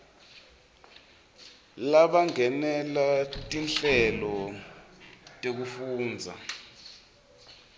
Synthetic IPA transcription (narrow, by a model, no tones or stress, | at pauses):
laɓaŋɛnɛlatʼinɬɛlɔ | tʼek̬ufuːnd͡zʱa̰